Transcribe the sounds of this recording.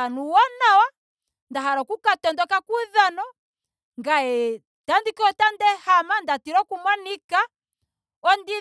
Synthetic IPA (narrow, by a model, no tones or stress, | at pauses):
anuwɔnawa | ndaɦaɾɔkukatɔndɔkakuðanɔ | ŋɡaɛ | tandikɔtandɛhamandatiɾɔkumwanika | ɔndi